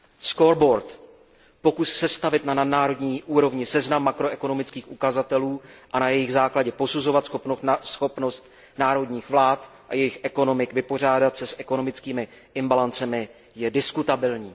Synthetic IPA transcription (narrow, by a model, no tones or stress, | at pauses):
skoɾbo̞ɾt̪ | po̞kussɛst̪avɪt̪nanadnaːɾo̞dɲiːʔuːɾo̞vɲɪsɛznamːakɾo̞ɛko̞no̞mɪt͡skiːxʔukazat̪ɛluːʔanajɛjɪɣzaːklaɟɛpo̞suzo̞vat̪sxoposxo̞pnost̪ | naːɾo̞dɲiːxvlaːt̪ | ʔa̰jɛjɪxʔɛko̞no̞mɪkvɪpo̞r̝aːdat̪sɛsʔɛko̞no̞mɪt͡skiːmɪ | ʔɪmbalant͡sɛmɪ | jɛdɪskut̪abɪlɲiː